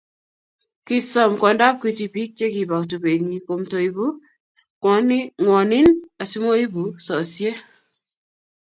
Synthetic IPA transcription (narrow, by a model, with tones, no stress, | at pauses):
ki˨sɔ˨mkɔ˨nda˦p̚ki˨ti˨pi˦k̚t͡ʃe˦ki˨ba˨ktu˨pe˨tɲi˨ko˨mto˨i˨bu˦ | kɔnŋwɔ˨nɪ˦na˨si˦mo˦i˦bu˨sɔ˨sje˦